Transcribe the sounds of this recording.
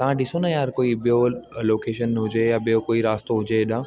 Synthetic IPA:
t̪ɐʋ̤ãɗɪsonɐjaːɾkoːiɓijoloːkeːʃənɦʊd͡ʑejaɓijokoːiɾaːst̪oɦʊd͡ʑeɗã

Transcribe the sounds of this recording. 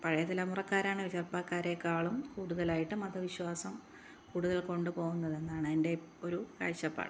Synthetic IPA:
pɐɻɐjɐt̪ːilɐmurɐkːaːɾaːɳoɾut͡ɕerpaːkːaːɾekːaːɭumkuːɽuðɐlaːjiʈːɨmɐd̪ʱɐʋiɕwaːsɐm | kuːɽuðɐlko̞ɳɖɨpo̞ːɣunːɐðe̞nːaːɳɨinde̞ | o̞ɾuka̰ːɻɕɐpːa̰ːɳɨ

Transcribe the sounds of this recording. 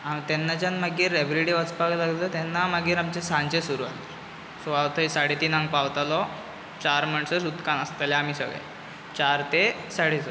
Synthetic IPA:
amt̪ɛnːat͡ɕjanmaɡiːɾebɾiɽiʋət͡spaklaɡlət̪ɛnːamaɡiːɾamt͡ɕesãnt͡ɕesuɾua̰le | sɔʋawt̪ʰəjsaɽit̪iːnãŋɡ̚pawt̪alɔ | t͡ɕaɾməɳsəsud̪kanəst̪aljaam̤iːsə̰ɡɭ̰ | t͡ɕaɾt̪e | saɽit͡s

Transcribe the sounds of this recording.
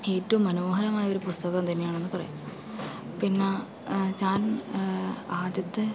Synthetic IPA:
e̞ːtːɐʋumːɐno̞ːɦɐɾɐmaːjɐo̞ɾupust̪ɐɣɐmt̪ɐnːejaːɳe̞nːɨpɐrɐ̰ju | pinːa | t͡ɕaːn | aːd̪jɐt̪ːɨ

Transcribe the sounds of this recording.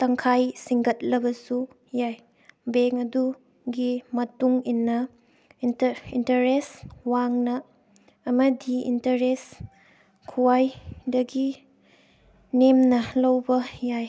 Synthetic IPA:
tɐŋkʰajsiŋɡɐt̚lɐbɐsu | jaj | beŋɐdu | ɡimɐtuŋinːɐ | intɐɾeswaŋnɐː | mɐdiḭntɐɾes | kʰuwajdɐɡi | nemnɐlɐwbɐjaj

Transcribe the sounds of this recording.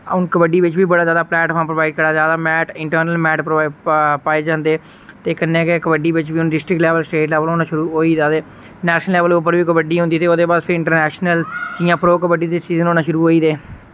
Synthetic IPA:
ʊnkəbəɖiːʋɪt͡ʃbiːbəɽaːd͡ʒjaːd̪aːplɛːʈʰə̃ːmpɾʋaːɪɖkəɾaːzjaːd̪aːmɛːʈɪɳʈəɾnəlmɛːʈpː | paːeːd͡ʒãːnd̪eː | t̪eːkənːẽːkekəbəɖiːʋɪt͡ʃbiːʊnɖɪsʈɾɪklɛːʋəlsʈeːʈlɛːʋəloːnãːʃʊɾuːɦoːiːd̪aːd̪eː | nɛːʃnəlɛːʋəlʊpːəɾʋiːkəbəɖiːɦʊ̃nd̪iːt̪eːoːd̪eːbaːd̪pʰɪɾɪ̃ɳʈəɾnɛːʃnəld͡ʒiːãːpɾoːkəbəɖiːd̪eːt͡ʃiːzənoːnãːʃʊɾuːɦoːiːd̪eː

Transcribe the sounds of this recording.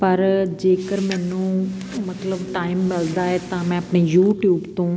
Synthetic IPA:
pɐɾd͡ʒeːkəɾmɛ̃ːnũː | mət̪ləbʈaːɪmːɪld̪aːɛt̪ãmɛ̃ɐpɳeːjuːʈjuːbt̪õː

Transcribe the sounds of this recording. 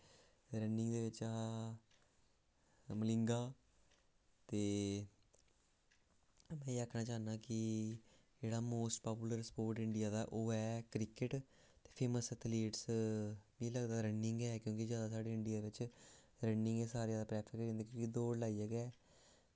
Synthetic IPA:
ɾənɪŋɡd̪eːʋɪt͡ʃa | məlɪŋɡaː | t̪eː | mɛ̃ːiakʰnaːt͡ʃaːnaːkɪ | d͡ʒeːɽaːmoːsʈpaːp̬juːləɾspoːɾʈɪ̃ɳɖɪjaːd̪aːʔoːɛːkɾɪkɪʈ | t̪e̥ːpʰeːməsət̪ʰleːʈs | mĩːləɡd̪aːɾənɪŋɡɛːkjõːkid͡ʒjaːd̪aːsaːɖeːɪɳɖijaːd̪eːʋɪt͡ʃ | ɾənɪ̃ŋɡɛːsaːɾeaːd̪aːpɾɛːpʰɪkɾẽnd̪eːkjõːkid̪oːɽlaːiəɡɛː

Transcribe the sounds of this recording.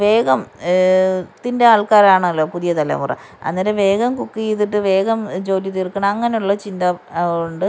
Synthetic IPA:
ʋe̞ːɡɐm | t̪ːindeaːɭkaːɾaːɳɨɐlːo̞ːpuðijɐt̪ɐlɐ̰murɐ̰ | ɐ̰nːɐɾeʋe̞ːɡɐmkukːijiðːiʈːɨʋe̞ːɡɐmd͡ʑo̞ːlit̪irkːɐɳɐɐŋːɐne̞juɭːɐt͡ɕind̪ɐuɳɖɨ

